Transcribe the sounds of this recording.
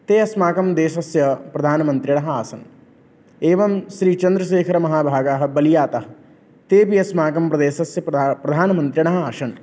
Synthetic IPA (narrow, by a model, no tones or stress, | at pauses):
t̪eːɐsmaːkɐmd̪eːsɐsjɐpɾɐd̪ʱaːnɐmɐ̃nt̪ɾiɽɐɦɐaːsɐn | eːʋɐmʃɾiːt͡ʃɐ̃nd̪ɾɐʃeːkʰɐɾɐmɐɦaːbʱaːɡaɦɐ̆bɐlijaːt̪ɐɦɐ | t̪eːpiɐsmaːkɐmpɾɐd̪eːsɐsjɐpɾɐd̪ʱaːnmɐ̃nt̪ɾiɽ̃ɐɦɐaːʃɐn